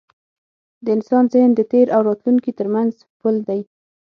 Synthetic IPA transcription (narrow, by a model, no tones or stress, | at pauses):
d̪əɪnsɑnzɪhnd̪ət̪eɾawɾɑt̪luŋkit̪əɾmanz | puld̪aj